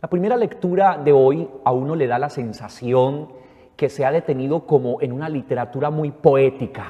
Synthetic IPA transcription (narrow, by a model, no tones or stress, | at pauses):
lapɾime̞ɾale̞kt̪uɾaðe̞o̞jauno̞le̞ð̞alase̞nsasjo̞ŋ | ke̞se̞aðe̞t̪e̞niðo̞ko̞mo̞ʔenunalit̪e̞ɾat̪uɾamujpo̞e̞t̪ika